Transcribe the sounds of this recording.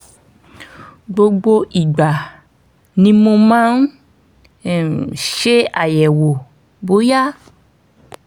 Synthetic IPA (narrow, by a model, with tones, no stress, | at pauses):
ɡ͡bo˧ɡ͡bo˧ʔi˨ɡ͡ba˨ | nĩ˧mo˧mãː˦n̩˦˨ | ʃe˦a˨jɛ˨wo˨ | bo˨˦ja˦